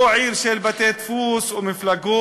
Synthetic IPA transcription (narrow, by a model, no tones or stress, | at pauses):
ʕiːɾʃeːlbat̪eːt̪fuːswɪmɪflaɡuː